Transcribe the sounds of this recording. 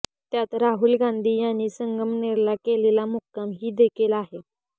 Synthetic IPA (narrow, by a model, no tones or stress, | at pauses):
t̪jat̪ɾaɦuːlɡãnd̪ʱiːjanːiːsəŋɡəmneɾlakelelamukːamɦiːd̪ekʰelaɦe